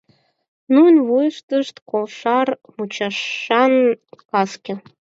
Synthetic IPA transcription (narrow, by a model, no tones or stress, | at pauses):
nunβujəʃt̪əʃt̪kolʃɑrmut͡ɕɑʃɑnkɑskʲe